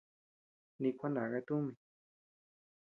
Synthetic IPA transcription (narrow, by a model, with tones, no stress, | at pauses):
nĩ˧kʷa˦nã˨ɣa˧t̪u˦mĩ˨